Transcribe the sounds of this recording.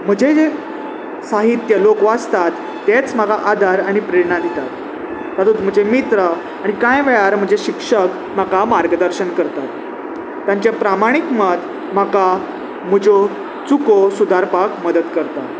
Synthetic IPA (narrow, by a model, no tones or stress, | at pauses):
m̤əd͡ʑed͡ze | saɦit̪ːjəlokʋast̪at̪ːet͡sm̤akaʔad̪ʱaɾaɽ̃ipɾeɾɳad̪ʱit̪at̪ | sat̪uːt̪m̤əd͡ʑemit̪ɾə | aɽ̃ikãjʋɛɭaɾm̤əd͡ʑeɕikʂək | m̤akamaɾɡəd̪əɾɕəɳkəɾt̪at̪ː | jãɲt͡ɕjapɾamaɽ̃ikmət̪ | maka | m̤əd͡ʑo | t͡sukosud̪aɾpakməd̪ət̪kəɾt̪at̪